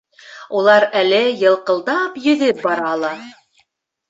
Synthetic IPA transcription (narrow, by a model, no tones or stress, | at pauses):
ulˠɑɾælɘjɤ̆lˠqɤ̆lˠd̪ɑpjɵ̆ðɘp̚bɑɾɑːlˠɑ